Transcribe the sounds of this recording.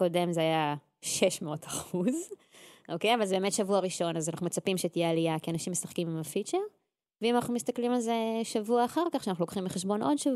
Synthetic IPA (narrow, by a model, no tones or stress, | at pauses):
ko̞de̞mzeaja | ʃe̞ʃmeotaχuz | ʔo̞ke̞javalzebemetʃavuaʁiʃo̞nazanaχnumet͡sapimʃet̪ijealijakianaʃimːesaχkimimafit͡ʃeʁ | veimanaχnumist̪aklimalze̞ʃavuaːχaʁkaχʃeanaχnulokχimbeχeʃbo̞nʔo̞dʃav